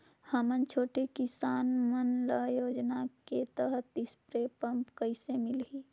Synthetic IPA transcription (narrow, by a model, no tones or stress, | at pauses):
həmənt͡ʃʰoːʈekɪsaːnmənləjoːd͡ʒnaket̪əɾət̪ɪspɾeːpəmpkəɪsemɪlɦiː